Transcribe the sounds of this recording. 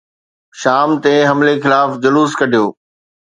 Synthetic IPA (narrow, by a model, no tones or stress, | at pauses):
ʃaːmt̪eɦɐmlexɪlaːfd͡ʑɐluːskɐɖʱijoː